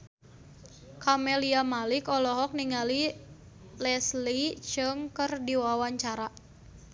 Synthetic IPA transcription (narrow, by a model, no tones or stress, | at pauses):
kamɛliamalikɔlɔɦɔk̚niŋali | lɛslit͡ʃɨŋkərdiwawaɲt͡ʃaɾa